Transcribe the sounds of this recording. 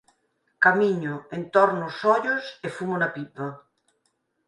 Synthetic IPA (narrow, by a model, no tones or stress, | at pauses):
kamiɲoent̪ɔɾnosɔʎosefumonapipɐ